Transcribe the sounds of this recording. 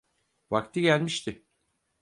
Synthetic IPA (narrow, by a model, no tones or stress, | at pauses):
vakt̪ʰiɟælʲmiʃt̪ʰɪ